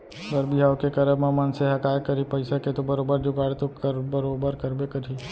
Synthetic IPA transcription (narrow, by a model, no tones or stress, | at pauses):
bəɾbɪɦaːokekɐɾəmamɐnseɦɐkaːjkɐɾipɐɪsaket̪obɐɾoːbəɾd͡ʒoɡaːɽet̪okəɾbəɾoːbəɾkɐɾbekɐɾi